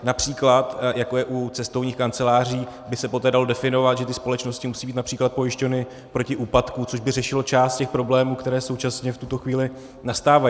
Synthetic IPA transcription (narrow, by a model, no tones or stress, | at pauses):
napr̥iːklat̪jako̞jɛʔut͡sɛst̪o̞vɲiːxkant͡sɛlaːriː | bɪsɛpo̞t̪ɛːdalodɛfɪno̞vat̪ʒɛt̪ɪspo̞lɛt͡ʃno̞scɪmusiːbiːt̪napr̥iːklat̪̚po̞jɪʃcovnɪ | pɾo̞cɪʔuːpat̪kut͡so̞ʒbɪrɛʃɪlot͡ʃaːst̪̚cɛxpɾo̞blɛːmuːkt̪ɛɾɛːso̞wt͡ʃasɲɛft̪ut̪o̞xviːlɪ | nast̪aːva